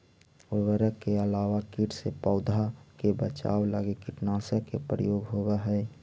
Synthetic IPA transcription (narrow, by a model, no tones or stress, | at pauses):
ʊʋəɾəkːeəlaːʋakiʈsepɔːd̪ʱakebət͡ʃa̰ːwla̰ːɡekɪʈnaːsekepɾəjoːɡɦoweɦɛː